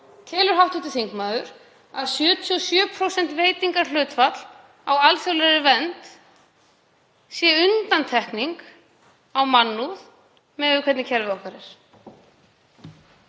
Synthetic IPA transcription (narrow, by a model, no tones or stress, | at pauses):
cʰɛːlʏɾ̥ɦawht̪uht̪ɪ̥θiŋkmaːðʏɾ | aðsjʏːt̪ʰɔsjœːpʰɾowsɛn̥t̪veːjt̪iŋkaɾ̥l̥ʏːt̪fat̪l̥ | awalθjɔwlɛɾɪvɛnt̪ | sjɛʏnt̪ant̪ʰɛhkniŋk | awmanːuð | mɛðʏkʰvɛt̪nɪcʰɛlvɪɔhkaɾɪɾ̥